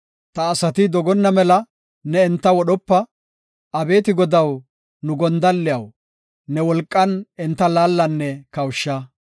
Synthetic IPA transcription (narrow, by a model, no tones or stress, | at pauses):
t̪ɐːsɐt̪ɪd̪ɔɡɔnːɐmɛlɐ | nɛːnt̪ːɐwɔɗɔpːɐ | ɐbe̞ːt̪ɪɡɔd̪ɐw | nʊɡɔnd̪ɐlːɪjɐw | nɛwɔlkʼːɐnɪnt̪ːɐlaːlːɐnːɛkɐwʃːɐ